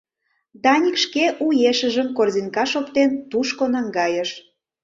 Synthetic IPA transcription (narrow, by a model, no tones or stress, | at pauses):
d̪ɑnʲikʃkeʔujeʃəʒəmkorzʲinkɑʃopt̪ent̪uʃkonɑŋɡɑjəʃ